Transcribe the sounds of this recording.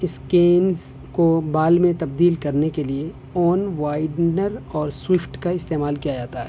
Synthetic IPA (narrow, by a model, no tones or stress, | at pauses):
ɪskeːnz | kobaːlmẽt̪ɐb̚d̪iːlkɐɾnekelie | ɔːnʋaːɪɖnəɾɔːɾswɪfʈkaɪst̪eːmaːlkijad͡ʒaːt̪aɦɛː